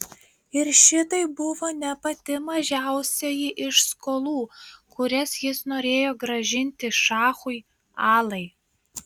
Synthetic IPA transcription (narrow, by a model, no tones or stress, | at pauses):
ɪɾʃʲɪt̪ɐɪbʊʋoːnʲɛpɐt̪ʲɪmɐʒʲæˑʊsʲɛjɪʔɪʃskoːlˠuːkʊɾʲɛsjɪsnoːɾʲeːjoːɡɾɐʒʲɪnʲt̪ʲɪʃɑːxʊɪ | ɑːlˠɐɪ